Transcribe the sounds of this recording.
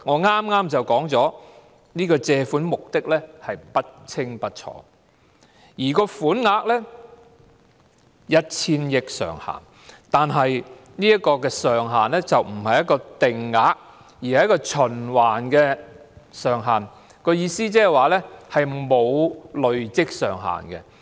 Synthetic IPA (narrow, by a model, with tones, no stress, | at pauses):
ŋɔː˨˧ŋaː˥mŋaː˥mt͡sɐ˨wkɔː˨˥ŋt͡sɔː˨˥ | niː˥kɔː˧t͡sɛː˧fuː˨˥nmʊ˨k̚t̪ɪ˥k̚lɛː˥hɐ˨jpɐ˥t̚t͡sʰɪ˥ŋpɐ˥t̚t͡ʃʰɔ̰ː˧˥ | jiː˨˩kɔː˧fuː˨˥nŋaː˨˥k̚lɛ˥ | jɐ˥t̚t͡sʰiː˥njɪ˥k̚sœ̰ː˨˩ŋha̰ː˨˩n | t̪aː˨nɦɐ˨j | niː˥jɐ˥tkːɔː˧kɛː˧sœː˨˩ŋɦaː˨nlɛː˥t͡sɐ˨wm̩˨˩hɐ˨jɐ˥t̚kːɔː˧t̪ɪ˨ŋːaː˨˧˥k̚ | jiː˨˩ɐ˨jɐ˥kːɔː˧t͡ʃʰɵ˨˩nwaː˨˩nkɛː˧ | sœː˨ŋɦaː˨˩n | kɔː˧jiː˧siː˥t͡sɛː˥waː˨lɛ˥hɐ˨jmo˨˧wlɵ˨ɥt͡sɪ˥k̚sœ̰ː˨˩ŋɦa̰ː˨˩nkɛ˧